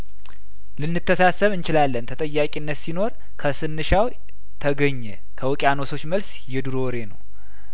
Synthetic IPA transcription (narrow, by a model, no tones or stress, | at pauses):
lɨnːɨt̪ʰːəsasəβɨnt͡ʃɪlalːənt̪ʰət̪ʼəjːakʼinːət̪sino̞ɾ | kʰəsɨnːɨʃaw | t̪ʰəɡəɲːɛ | kʰəwɔkʼano̞so̞t͡ʃːməls | jɛd̪ɨɾo̞ɾe̞nə̰w